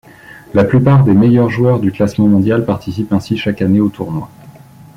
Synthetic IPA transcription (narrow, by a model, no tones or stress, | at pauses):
laplypaʁd̪emejœʁʒuwœʁd̪yklasmɑ̃mɔ̃d̪jalpaʁt̪isipɛ̃siʃakaneot̪ʰuʁnwa